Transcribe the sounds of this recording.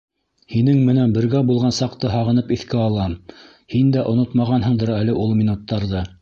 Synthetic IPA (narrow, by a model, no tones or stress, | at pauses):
hinɘŋmɘ̆nænbɘ̆ɾɡæbulˠʁɑnsɑqt̪ɤɦɑʁɤ̆nɤpiθkæɑlˠɑm | hind̪æʔŏnot̪mɑʁɑnɦɤ̆ɴd̪ɤɾælɘʔulˠmʲinut̪ːɑɾðɤ